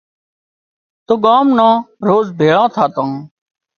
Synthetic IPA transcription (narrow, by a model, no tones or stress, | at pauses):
t̪oːɠaːmnãːɾoːzbʱeːɭãːt̪ʰaːt̪ãː